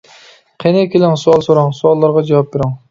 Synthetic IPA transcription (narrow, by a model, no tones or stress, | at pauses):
qʰenɪkʲʰelɪŋsuɑlˠsoɾɑŋsuɑlˠːɑɾʁɑd͡ʒɑwɑp̚beɾɪŋ